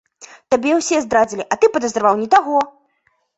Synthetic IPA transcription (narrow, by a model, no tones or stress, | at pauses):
t̪abʲɛwsʲɛzd̪ɾad͡zʲilʲiʔɐt̪ɨpɐd̪ɐzɾvawnʲɛt̪aɣɔ